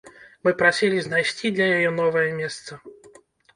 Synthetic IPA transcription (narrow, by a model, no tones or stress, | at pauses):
mɨpɾasʲilʲiznajsʲt͡sʲid̪lʲɐjajɔnɔvɐjɐmʲɛst̪sɐ